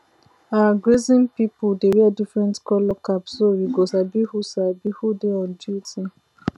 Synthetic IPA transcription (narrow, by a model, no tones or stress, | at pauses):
aaɡɹezĩŋpipodeɹiadifɹɛ̃ntkɔlɔkapsowiɡɔzabihusabihudeɔ̃nd͡ʒutʰi